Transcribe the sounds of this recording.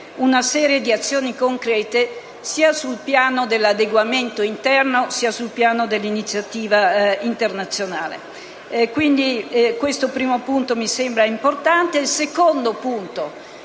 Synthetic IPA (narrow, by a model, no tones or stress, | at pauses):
unasɛːɾjed̪iat̪sːjoːnikoŋkɾɛːt̪e | siːasulpjaːnod̪elːad̪eɡwament̪oint̪ɛrnosiːasulpjaːnod̪elːinit̪sːjat̪iːvaint̪ernat̪sːjonaːlḛ | kwind̪ikwest̪opɾiːmopunt̪omisembɾaimport̪ant̪eilsekond̪opunt̪o